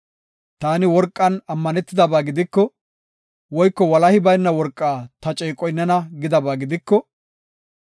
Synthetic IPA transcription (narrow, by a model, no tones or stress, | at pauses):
t̪aːnɪwɔɾkʼːɐnɐmːɐnɛt̪ːɪd̪ɐbaːɡɪd̪ɪkːɔ | wɔjkːɔwɐlɐhɪbɐjnːɐwɔɾkʼːaːt̪ɐt͡ʃʼɛːkʼɔjnːɐnɐɡɪd̪ɐbaːɡɪd̪ɪkːɔ